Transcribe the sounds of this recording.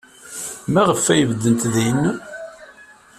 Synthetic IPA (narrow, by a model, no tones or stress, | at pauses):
mæʁəfːæjəvəd̪ːənt̪ðæjənːu